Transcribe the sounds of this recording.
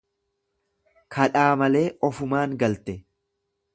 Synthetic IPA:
kʰɐᶑaːmɐle̞ːʔɔfʊmaːŋɡɐlt̪ɛ

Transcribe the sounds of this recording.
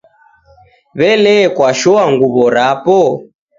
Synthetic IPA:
βɛlɛkwaʃɔaŋɡuβɔɾapɔ

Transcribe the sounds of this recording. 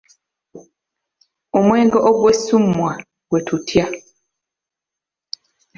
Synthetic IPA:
omwɛŋɡɔʔoɡwesumwa | ɡwetʰutʰja

